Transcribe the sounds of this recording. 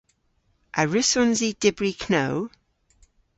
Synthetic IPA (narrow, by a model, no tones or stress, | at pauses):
ʔəɹɪsɔnzid̥ɪbɹikʰnow